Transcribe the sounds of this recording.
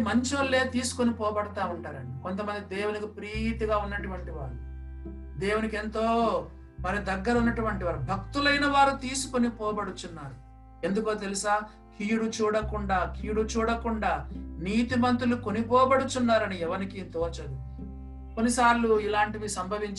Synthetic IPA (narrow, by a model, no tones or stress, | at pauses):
mɐɲt͡ʃolːe̞ːt̪iːsu̥ko̞nipɔːbɐɽɐt̪aːuɳʈaːɾɐniko̞nt̪ɐmɐnd̪id̪eːwunikipɾiːt̪iɡaːunːɐʈuʋɐɳʈiʋaːɾu | d̪eːwunike̞nt̪o̞ː | mɐɾid̪ɐɡːɐɾɐunːɐʈuʋɐɳʈiʋaːɾubʱɐk̚t̪ulɐjnɐʋaːɾut̪iːsu̥konipɔːbɐɽut̪unːaːɾu | e̞nd̪ukoːt̪̬e̞lusaː | kʰijuɽut͡ʃuːɽɐkuɳɖaːkʰiːjuɽut͡ʃuːɽɐkuɳɖaːniːt̪imɐnt̪ɾuluko̞nipɔːbɐɽut̪unːaːɾɐniɛʋɐnikit̪oːt͡ʃɐd̪u | konːisaːɾluilaːɳʈiʋisɐmbʱɐʋiɲt͡ʃ